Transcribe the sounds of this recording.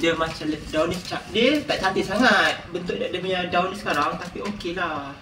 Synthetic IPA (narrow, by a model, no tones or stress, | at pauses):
dəmat͡ʃamlət̪dawnist͡ʃak̚diət̪aʔt͡ʃat̪isaŋat̪̚bənt̪ʊʔ̚dadəpəɲadawnisə̥kaɾaŋt̪apiokelah